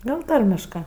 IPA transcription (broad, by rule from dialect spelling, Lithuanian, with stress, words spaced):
ˈɡɐlˠ ˈtɐrʲmʲɪʃkɜ